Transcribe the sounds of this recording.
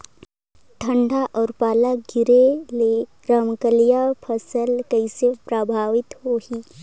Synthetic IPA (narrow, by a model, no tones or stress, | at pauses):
ʈʰə̃ɳɖʱaʔɔːɾpaːlaɡɪɾele | ɾəmkəlijapʰəsəlkəisepɾəbʱaːʋɪt̪ɦoːɦiː